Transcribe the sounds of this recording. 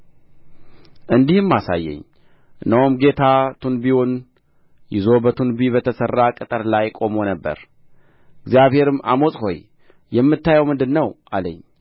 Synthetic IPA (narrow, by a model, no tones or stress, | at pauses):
ʔɨnd̪ihɨmːasa̰jːɛ̰ɲː | ɨnːəwumɡe̞t̪ʰat̪ʰunbiwon | jɪzo̞bət̪ʰunbiβət̪ʰəsərːakʼɨt̪ʼəɾlajkʼo̞mo̞nəbːə̰ɾ | ɨɡzjaβhe̞ɾɨmːʔa̰mo̞sʼho̞j | jɛmːɨt̪ːajɛwmɨnd̪ɨnːəwʔaləɲː